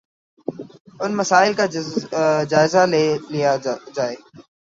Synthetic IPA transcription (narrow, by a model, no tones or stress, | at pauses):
ʊnməsaːɪlka | d͡ʒaːɪzalelɪjad͡ʒaːeː